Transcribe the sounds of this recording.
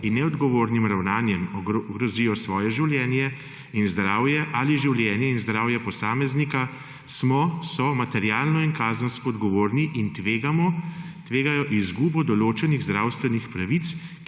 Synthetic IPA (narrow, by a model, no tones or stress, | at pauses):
inːɛɔd̪ɡɔʋoːɾnimɾawnaːnjɛmɔɡɾɔzijɔsʋɔːjɛʒiwljɛːnjɛ | inzd̪ɾaːwjɛʔaliʒiwljɛnjɛinzd̪ɾaːwjɛpɔsaːmɛznika | smɔsɔmat̪ɛɾjaːlnɔinkaːzənskɔːd̪ɡɔʋoːɾniʔint̪ʋeːɡamɔ | t̪ʋeːɡajɔʔizɡuːbɔd̪ɔloːt͡ʃɛniɣzd̪ɾawst̪ʋɛnixpɾaʋit̪s